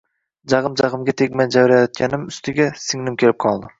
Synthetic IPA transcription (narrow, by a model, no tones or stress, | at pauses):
d͡ʒɑʁɨmd͡ʒɑʁɨmɡʲat̪ʰekʲmand͡ʒavɾajɒt̪̚kʲanɪmʊst̪ʰɪɡʲasɪŋnɪmkʲʰe̞lɪp̚qʰɒlˠd̪ɪ